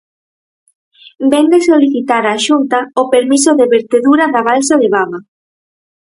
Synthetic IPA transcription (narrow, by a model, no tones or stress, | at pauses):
bɛnd̪esoliθit̪aɾaʃunt̪aopeɾmisoðeβeɾt̪eðuɾaðaβalsaðeβaβa